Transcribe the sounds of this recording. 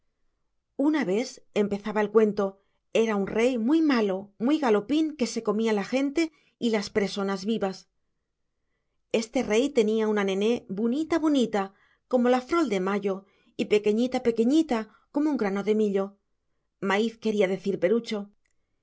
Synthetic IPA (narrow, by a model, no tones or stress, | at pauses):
unaβe̞θe̞mpe̞θaβae̞lkwe̞nt̪o̞ | e̞ɾaunre̞jmujmalo̞mwujɣalo̞piŋke̞se̞ko̞mialaxe̞nt̪e̞ | ilaspɾeso̞nazβiβas | e̞st̪e̞re̞jt̪e̞niaunane̞ne̞bonit̪aβonit̪a | ko̞mo̞lafɾo̞ld̪e̞maʎo̞ | ipe̞ke̞ɲit̪ape̞ke̞ɲit̪a | ko̞mouŋɡɾano̞ðe̞miʎo̞ | maiθke̞ɾiaðe̞θiɾpe̞ɾut͡ʃo̞